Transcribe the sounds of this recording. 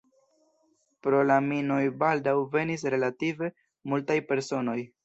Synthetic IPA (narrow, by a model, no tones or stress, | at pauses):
pɾo̞lamino̞jbaldawve̞nis̬ɾe̞lative̞ | multajpe̞ɾso̞no̞j